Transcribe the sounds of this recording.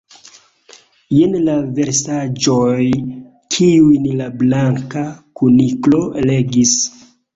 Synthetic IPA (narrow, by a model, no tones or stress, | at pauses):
jenlave̞ɾsad͡ʒoj | kʰiujnlablaŋkakuniklo̞le̞ɡis